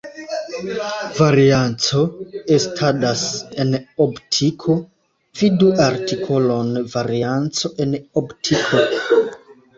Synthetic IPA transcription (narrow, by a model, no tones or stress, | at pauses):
vaɾiant͡so̞estʰadase̞nobtʰikʰo̞ | viduʔaɾtikʰo̞lo̞nvaɾiant͡so̞ʔe̞nobtʰikʰo